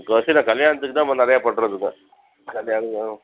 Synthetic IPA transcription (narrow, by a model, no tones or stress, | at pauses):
kːɐɐsinãːkɐljaːnɐt̪ːɯkːɯt̪ãːmɐnɪɾɐjaːpɐʈːɾɐðɯkːɯ̰ | kɐljaːnɐã